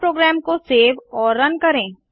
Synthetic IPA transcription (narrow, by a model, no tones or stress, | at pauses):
pɾoːɡɾɛːmkoseːʋɔːɾːɐnkɐɾẽː